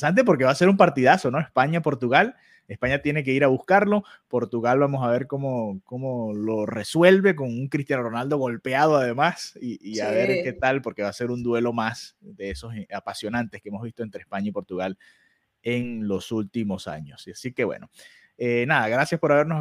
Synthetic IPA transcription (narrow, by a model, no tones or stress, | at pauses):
sant̪̬e̞po̞ɾke̞βase̞ɾumpaɾt̪iðaso̞no̞espaɲapo̞ɾt̪uɣal | e̞spaɲat̪je̞ne̞k̬eiɾaβuskaɾlo̞ | po̞ɾt̪uɣalβamosaβe̞ɾko̞mo̞ko̞molo̞re̞swe̞lβe̞ko̞ŋuŋkɾist̪janoro̞nald̪oɣo̞lpeað̞oaðe̞masiːaβeɾket̪alpo̞ɾke̞βase̞ɾund̪we̞lo̞masd̪e̞eso̞sapasjo̞nãnt̪e̞skeemo̞zβist̪oent̪ɾespaɲaipo̞ɾt̪uɣal | eŋlo̞sult̪imosa̰ɲo̞sasike̞βwḛno̞ | enaðaɣɾasjaspo̞ɾaβe̞ɾnos